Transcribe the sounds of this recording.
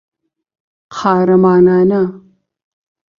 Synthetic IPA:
qʰaːɾɐmaːnaːnɐ

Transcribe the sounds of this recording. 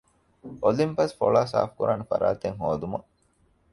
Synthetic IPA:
ʔolimpɐsfoɭaːsa̰ːfkuɾʔaːnɐfɐ̰ɾaːt̪eŋɦoːd̪umɐʔ

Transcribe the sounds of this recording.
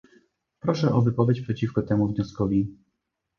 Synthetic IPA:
pɾɔʂɛʔɔvɘpɔvʲjet͡ɕpʂɛt͡ɕifkɔt̪ɛmuvɲɔskɔvʲi

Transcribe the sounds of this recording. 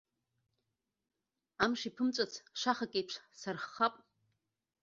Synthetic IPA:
amʂipʰɨmt͡ʃʷʼat͡sʰʂaχakʼejpʰʂsarχːapʼ

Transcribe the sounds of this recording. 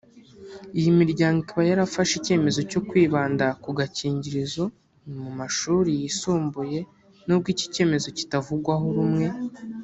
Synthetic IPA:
ijimiɾɟaːŋɡikiβajaɾafaʃice̞ːme̞zo̞co̞kwiːβaːndakuɡaciːɲɟiɾizo̞ | nmumaʃuːɾijisuːmbuje̞ | no̞b̚ɡiːci̥ce̞ːme̞zo̞ci̥tavuɡwaɦoɾumŋe̞

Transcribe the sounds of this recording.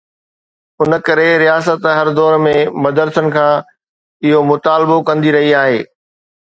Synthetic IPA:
ʊnə̆kɐɾeɾijaːs̬ət̪ɦɐɾd̪ɔːɾmẽmɐd̪əɾsənɪ̆kʰãː | ɪɦomʊt̪aːlbokɐ̃nd̪iɾɐɦiaːɦeː

